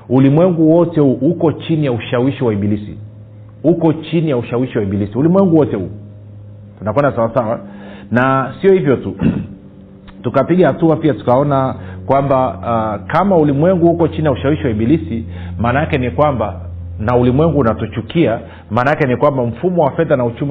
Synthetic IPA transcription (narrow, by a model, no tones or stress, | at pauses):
ulimwɛŋɡuwɔtɛuhukɔt͡ʃinijauʃawiʃiwaiɓilisḭ | hukɔt͡ʃinijauʃawiʃiwaiɓilisiulimwɛŋɡuwɔtɛu | tunakwɛndasawasawa | nasiɔhivjɔtu | tukapiɠahatuapiatu̥kaɔnakwambakamaulimwɛŋɡuhukɔt͡ʃinijauʃawiʃiwaiɓilisi | maːnakɛnikwamba | naulimwɛŋɡuːnatut͡ʃukia | maːnakɛnikwambam̩fumɔwafɛðanaut͡ʃumi